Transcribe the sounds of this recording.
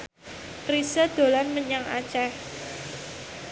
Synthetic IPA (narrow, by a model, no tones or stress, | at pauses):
kɾisəd̪̥o̤lanməɲaŋa̰t͡ʃɛh